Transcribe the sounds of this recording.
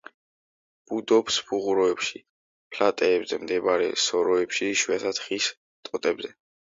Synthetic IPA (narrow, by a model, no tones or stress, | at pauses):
b̥ud̪ɔpspʰuʁuɾɔɛpʃi | pʰlat̪ʼɛːbzɛmd̪ɛbaɾɛ̰sɔɾɔɛpʃiʃwiat̪ʰad̪̥χis | t̪ʼɔt̪ʼɛbzɛ